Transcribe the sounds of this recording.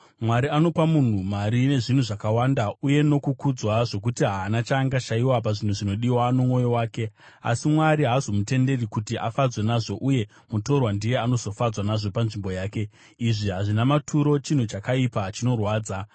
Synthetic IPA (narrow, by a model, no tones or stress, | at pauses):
mwaɾiano̞pamun̤umaɾine̞ʐin̤uʐakawandauje̞no̞kukud͡zwaʐo̞k̬utiɦaːnat͡ʃaːŋɡaʃaiwap̬aʐin̤uʐino̞ɗiwano̞mwo̞jo̞waːke̞ | a̰simwaɾiɦaːzo̞mute̞nde̞rikutiʔa̰fad͡zwe̞naʐo̞ʔuje̞ | muto̞rwandije̞ano̞zo̞fad͡zwanaʐo̞panʐimbo̞jaːke̞ | iʐiɦaʐinamatʰuɾo̞t͡ʃin̤ut͡ʃakaipat͡ʃino̞rwaːd͡za